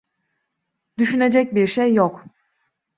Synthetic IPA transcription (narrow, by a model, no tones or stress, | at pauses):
d̪yʃyne̞d͡ʒɛc̚biɾʃejːok